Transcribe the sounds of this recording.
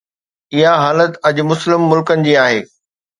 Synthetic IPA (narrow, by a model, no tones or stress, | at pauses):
ɪɦaɦaːlət̪ɐd͡ʑmʊslɪmːʊlkənɪ̆d͡ʑiːaːɦeː